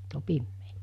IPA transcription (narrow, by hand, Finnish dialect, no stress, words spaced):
o pimːeː